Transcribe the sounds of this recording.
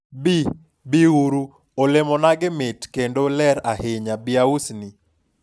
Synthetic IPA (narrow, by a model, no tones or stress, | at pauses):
bi | biuɾu | olemɔnaɡɪmetkendolɛɾahɪɲabiausni